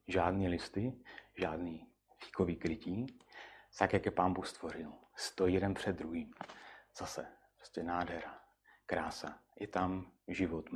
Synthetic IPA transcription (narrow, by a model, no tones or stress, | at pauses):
ʒaːdniːlɪst̪ɪʒaːdniː | fi̥kovikɾɪciː | t̪akjakjɛpaːnbuxst̪vor̝ɪlst̪ojijɛdɛnpr̥ɛd̪̚dːɾuɦiːmz̥asɛ | pɾoscʲɛnaːdɦɛɾa | kɾaːsajɛt̪amʒɪvot̪